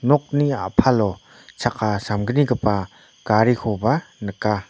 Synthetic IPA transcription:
nɔk̚niapʰalɔ | t͡ʃʰakasamɡəniɡəpa | kaɾikʰɔbanəka

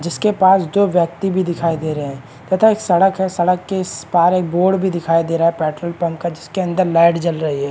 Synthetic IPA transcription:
d͡ʒɪskepaːsd̪oːʋjək̚t̪ibʱid̪ɪkʰaːid̪eːɾəɦɛ̃ː | t̪ɛːt̪ʰaeːksɐɽəkɦɛsɐɽəkːespaːɾeːk̚boːɽbʱid̪ɪkʰaːid̪eːɾaːɦɛpɛːʈɾəlpɐmkad͡ʒɪskeɐ̃nd̪əɾlaːɪʈd͡ʒɐlɾɐɦiɦɛː

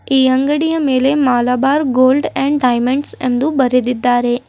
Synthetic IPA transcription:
iəŋɡəɽijəmelemalabaɾɡolɖɛ̃ɳɖajmẽɳɖsḛmd̪ũbəɾed̪id̪ːaɾe

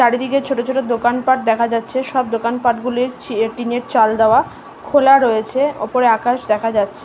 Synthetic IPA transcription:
ʃaɾid̪iket͡ɕʰoʈot͡ɕʰoʈod̪okanpaʈ̚d̪ɛkʰad͡ʑatːɕʰeʃɔb̚d̪okanpaʈɡuliɾʈineɾt͡ɕald̪aoa | kʰolaɾojet͡ɕʰeɔ̰poɾeakaʃd̪ɛkʰad͡ʑatːɕʰe

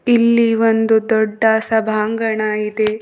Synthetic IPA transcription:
ilːiʋond̪ud̪ɔɖːɐsɐbʱaːŋɡɐɳɐid̪e

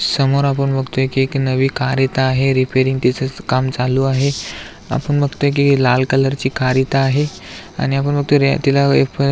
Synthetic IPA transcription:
səmoɾapəɳbʱəɡt̪oekeknəʋiːkʰaɾit̪aːɦeɾipeɾiŋɡt̪it͡səkamt͡saluːaɦe | a̰pəɳbʱəɡt̪oek̬elalkələɾt͡ɕiːkʰaɾit̪aːɦe | a̰ɽ̃iapəɳbəɡ̚t̪oɾt̪ilaepə

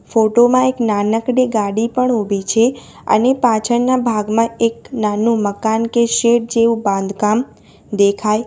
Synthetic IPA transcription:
foʈomãeknanəkɽeɡaɽipəɳobʱit͡ʃʰe | ə̰nepat͡ʃʰəɳnabʱaɡmãeknanũməkankeʃeʈ̚d͡ʒeʋũbãnd̪kam | d̪ekʰaj

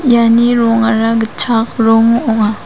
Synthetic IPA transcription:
janiɾɔŋaɾaɡət͡ʃʰak̚ɾɔŋɔŋa

